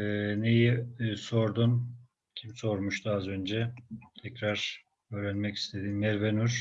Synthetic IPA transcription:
nejiso̞ɾd̪un | cʰimso̞ɾmuʃt̪uazø̞nd͡ʒɛt̪ʰɛcɾaɾ̥ | øːɾɛnmɛci̥st̪ʰe̞d̪inmɛɾvenuɾ̥

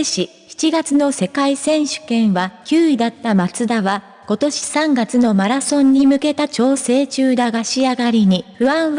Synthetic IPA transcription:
eɕi | çi̥t͡ɕiɡat͡sɨno̞se̞kaisẽ̞ɰ̃ɕɨ̥kẽ̞ɰ̃βakʲɨːid̪at̪ːamat͡sɨd̪aβa | ko̞t̪o̞ɕi̥sãŋɡat͡sɨno̞maɾasõ̞ɲ̟ːimɯ̟ke̞t̪at͡ɕo̞ːse̞ːt͡ɕɨːd̪aɡaɕiaɡaɾʲiɲ̟iɸɯ̟ãɰ̃

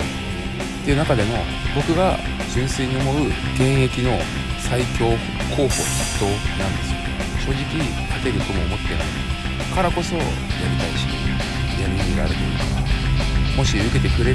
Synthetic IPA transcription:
t̪e̞iɯ̟nakad̪e̞mo̞ | bo̞kɯ̟ɡa | ʑĩɰ̃seɲ̟ʲiomo̞ɯ̟ɡ̥ẽ̞ɰ̃e̞kʲino̞ | saikʲo̞ː | kʰo̞ːho̞̰i̥t̪ːo̞nãnd̪e̞sɨ̥ | ɕo̞ːʑikʲi | t̪at̪e̞ɾɯ̟t̪o̞mo̞ːmo̞t̪ːena̰i | kaɾako̞so̞̰ | jaɾʲit̪aiɕi̥i | jamʲimʲiɾa̰ɾe̞t̪eikakamo̞ɕiɯ̟ke̞t̪e̞kɯ̟ɾe̞

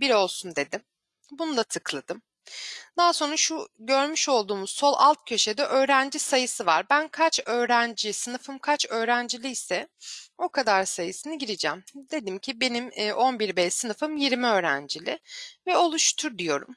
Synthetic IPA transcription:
biɾo̞lˠsund̪e̞d̪ɪm | bunud̪ˠat̪ʰɯklˠad̪̥ɯm | d̪̥aːso̞nɾaʃuɟø̞ɾmyʃo̞lˠd̪uːmuz̥so̞lˠa̰lˠt̪̚cʰø̞ʃe̞d̪ɛʔø̞ːɾænd͡ʒisajɯsɯva̰ɾbænkʰat͡ʃø̞ːɾænd͡ʒisɯnɯfɯmkʰat͡ʃø̞ːɾænd͡ʒilʲiisɛo̞kʰad̪aɾsajɯsɯnɯɟiɾid͡ʒɛmd̪e̞d̪imcʰibe̞nimːʔo̞nbiɾbɛjsɯnɯfɯmjiɾmiø̞ːɾæ̰nd͡ʒilʲɪvɛo̞lˠuʃt̪ʰuɾd̪ijo̞ɾṵm

